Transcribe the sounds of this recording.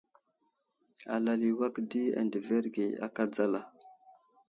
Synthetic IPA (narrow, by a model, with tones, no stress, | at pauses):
a̰˨la˨li˨wa˦kdi˦a̰˨ndə˨ve˦ɾɡe˨a̰˦ka˦d͡za˦la˨